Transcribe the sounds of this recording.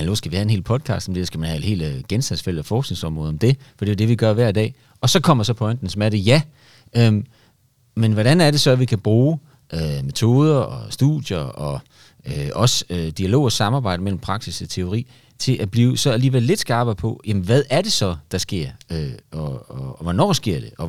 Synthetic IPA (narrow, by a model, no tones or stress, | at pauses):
meno̝sɡ̥æʋihæenɦe̝ːlpʰɒ̽ðˠkʰɑ̰̈ːsd̥ɒmd̥e̝ssɡ̥æmænhæe̝d̥ɦe̝̰ːlɡ̥ensd̥ænsfel̰̥ɐfɒːsɡ̥ne̝ŋsɒ̽mʁɔ̽ːð̩ˠɒmd̥e̝fɒd̥e̝æɐd̥e̝ʋiɡ̥ɶɐʋæɐidɛ̰ː | ɒ̽sɒ̽kʰɒ̽m̰ɐd̥sɒ̽pʰɒ̽ɪnd̥n̩smæɾ̥əjæ | ø | menʋɒɾænæɐɾe̝sɒ̽æʋikʰæb̥ʁuː | ʔøme̝t͡sʰo̝̰ːð̞ˠɐʔɒ̽sd̥ṵð̥jɐɒ̽ | øɒ̽sød̥iælo̝̰ːsɑ̈mɑ̈ːbɑ̈ɪ̰ɾəmel̰m̩pʰʁɑ̈ɡ̥siset͡sʰe̝o̝ʁḭː | t͡sʰe̝lʔæb̥liːʊsɒ̽æliːʋeɐle̝d̥sɡ̥ɑːb̥ɐpʰɒ̽jæmənʋæð̞ˠæɐd̥ɾe̝sɒ̽d̥ɑ̈sɡ̥e̝ɐ̰øɒɒʋɒnɒ̰ːsɡ̥e̝ɐ̰d̥e̝ʔɒ̽